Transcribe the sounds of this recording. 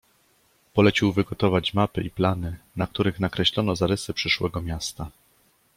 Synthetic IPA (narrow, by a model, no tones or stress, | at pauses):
pɔlɛt͡ɕiwvɘɡɔt̪ɔvat͡ɕmapɘʔiplanɘnak̚t̪uɾɘxnakɾɛɕlɔnɔzaɾɘsɘpʂɘʂwɛɡɔmʲjast̪a